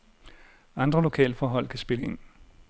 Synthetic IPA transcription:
ɑ̈nd̥ʁɐlo̝kʰɛ̰ːləfɒːɦɒ̽l̰kʰæsb̥e̝ləe̝n̰

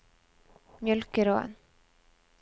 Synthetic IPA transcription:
mjœlkəɾoɛ̰n

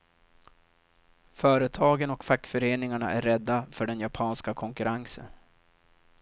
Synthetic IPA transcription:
fœːɾət̪ʰɑːɡənɔkfakːfœɾeːnɪŋaɳa̰ʔæɾːɛd̪ːafœɖɛnjapʰɑːnskakʰɔŋkɵɾʔaŋsə̰n

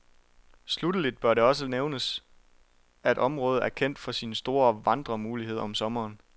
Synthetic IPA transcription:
slud̥əlid̥̚b̥ɶɐɾe̝ɒ̽s̬əneʊnəs | æe̝ɾʔɒ̽mʁɔ̽ːð̞̩ˠʔæɐkʰen̰d̥fɒ̽sinsd̥o̝ːɐʋɑ̈nd̥ʁɐmuːliɦe̝ð̞̰ˠɐɒ̽msɒ̽mɐːn

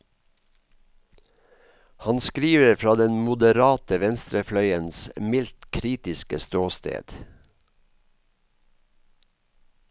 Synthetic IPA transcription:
hɑnskɾiːʋəɾfɹɑːd̪ɛnmʊd̪əɾɑːt̪əʋɛnst̪ɾəflœʏənsmɪlt̪kʰɾiːt̪ɪskəst̪oːst̪ḛːd̪̥

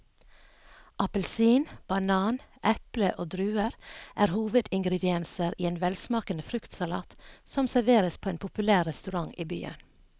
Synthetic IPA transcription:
ʔɑpəlsiːnb̥ɑnɑːnʔɛpləʔoːd̪ɾʉːəɾʔæːɾhuːʋəd̪ɪŋɡɾɛd̪ɪɛnsəɾʔiːeːnʋɛlsmɑːkənəfɾʉkt̪sɑlɑ̰ːt̪sɔmsæɾʋeːɾəspʰoːeːnpʰʊpʉlæːɾːɛst̪ʉɾɑŋḭːby̰ːə̰n

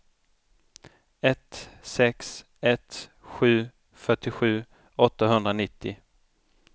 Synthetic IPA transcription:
ɛt̪sɛks | ɛt̪ɧʉ̟ː | fœʈːɪɧʉ̟ː | ɔt̪ːaɦɵnd̪ɾanɪt̪ːɪ

